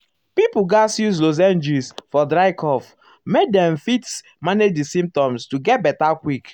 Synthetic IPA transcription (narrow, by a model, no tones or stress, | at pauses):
pipuɡasjuz̬loz̬ɛ̃nd͡ʒisfɔdɹaɪkʰɔf | mek̚dɛ̃mfits | maned͡ʒdisĩmp̚tɔ̃mstuɡɛt̚bɛtakwik